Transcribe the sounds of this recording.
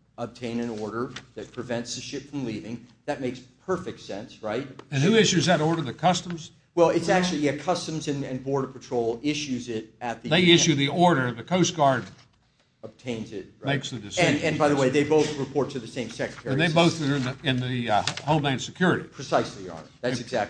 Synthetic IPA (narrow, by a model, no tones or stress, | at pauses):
əb̚tʰẽɪ̃nɨ̃nɔɹɾə˞ðɨt̚pʰɹ̥ɨvɛ̃ntsðɨʃɪpfɹʌ̃mlivɪ̃ŋðɨt̚meɪkspʰɜ˞fɨk̚tsɛ̃nsɹaɪt̚ɨ̃nhʉɪʃʉzðɨɾɔɹɾə˞ðɨkʰʌstə̃mz̥ | wɛlˠɨtsæk̚t͡ʃʉl̩ˠiɨkʰʌstɨ̃m̩zɨ̃nɨ̃nbɔɹɾə̥pɨtʰɹ̥oʊlˠɪʃʉzɪɾɨt̪̚ðɨðeɪɪʃʉðiɔɹɾə˞ðɨkʰoʊsɡ̥ɑɹd̚ | əb̥̚tʰẽɪ̃nzɪt̚meɪksðɨdɨsɨ̃nɨ̃nbaɪðəweɪðeɪboʊθɹɨpʰɔɹtʰɨðɨsẽɪ̃msɛkɹɨtʰɛɹɨ̃iðeɪboʊθə̃˞ɨ̃nðɨhoʊ̃lˠdãɪ̃nsɨkʰj̥ʊɹɨɾḭpʰɹ̥ɨsaɪsliɑ̰ | ðætsɨzæk̚